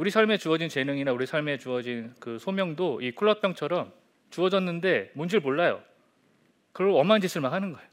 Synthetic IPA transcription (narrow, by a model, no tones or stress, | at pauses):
uɾisʰaɭme̞t͡ɕuʌd͡ʑint͡ɕe̞nɯŋinauɾisʰaɭme̞t͡ɕuʌd͡ʑinkɯsʰomjʌŋdoʔikʰuɭːʌpʰjʌŋt͡ɕʰʌɾʌm | t͡ɕuʌd͡ʑʌnːɯnde̞mund͡ʑiɭboɭːajo̰ | kɯɾʌɭoʌmand͡ʑis͈ʰɯɭmakɦanɯnɡʌeo